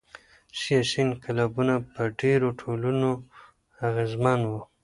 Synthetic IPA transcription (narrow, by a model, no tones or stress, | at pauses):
sijasinkalɑbunapəɖeɾoʈʰoluno | aɣezmanwu